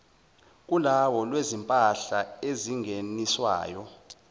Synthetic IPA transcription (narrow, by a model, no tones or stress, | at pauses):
k̬ʼulawɔlwezimpʼaɬaeziŋeniswa̰ːjɔ